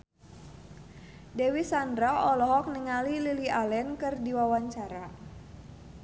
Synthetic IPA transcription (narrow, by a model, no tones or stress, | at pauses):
dɛwisandɾaɔlɔɦɔk̚nəŋalililiʔalɛnkərdiwawaɲt͡ʃaɾa